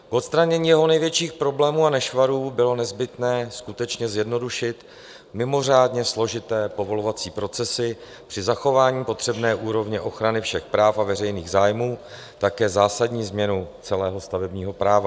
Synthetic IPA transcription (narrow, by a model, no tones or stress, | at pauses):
kʔo̞t̪st̪ɾaɲɛɲiːjɛɦo̞nɛjvjɛt͡ʃiːxpɾo̞blɛːmuːanɛʃvaɾuːbɪlo̞nɛzbɪt̪nɛːskut̪ɛt͡ʃɲɛzjɛdno̞duʃɪt̪ | mɪmo̞r̝aːdɲɛslo̞ʒɪt̪ɛːpo̞vo̞lovat͡siːpɾo̞t͡sɛsɪ | pr̥ɪzaxo̞vaːɲiːpo̞t̪r̥ɛbnɛːʔuːɾo̞vɲɛʔo̞xɾanɪfʃɛxpɾaːfavɛrɛjniːɣzaːjmuː | t̪akɛːzaːsadɲiːzmɲɛnut͡sɛlɛːɦo̞st̪avɛbɲiːɦo̞pɾaːva